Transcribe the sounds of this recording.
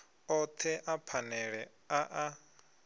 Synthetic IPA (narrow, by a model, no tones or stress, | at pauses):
ɔt̪ʰɛʔapʰanɛɺɛ | aʔa